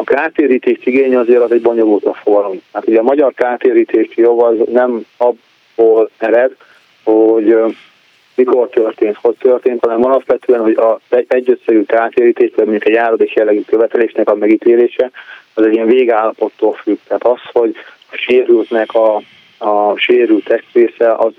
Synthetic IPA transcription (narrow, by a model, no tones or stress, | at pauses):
ɒkaːt̪eːɾiːt̪eːʃiɡeːɲɛɒzeːɾɒzɛɟbo̞ɲo̞lult̪lɒfoɡɒlomt̪ɛɦaːt̪huɟɛɒːmɒɟɒrkaːt̪eːɾiːt̪eːʃijobɒznɛmɒbː | oːlmɛɾɛd̪ | hoɟ | miko̞rt̪ørt̪eːnt̪ho̞ct̪ørt̪eːnt̪hɒnɛmɒlɒpʋɛt̪øɛnho̞ɟɒɛɛɟːøt̪sɛɡykaːt̪eːɾiːt̪eːʃʋɛmoɲukɛɟjaːɾod̪ekjɛlːɛɡykøvɛt̪ɛleːʃnɛkɒmɛɡit̪eːleːʃɛɒzɛɟːiɛɱveːɡaːlːɒpo̞t̪ːoːlfyɡ̥t̪ɛɦaːt̪ɒsho̞ɟ | ɒʃeːɾylt̪nɛkʰɒ | ʃeːɾylt̪ɛst̪veːsɛʔɒz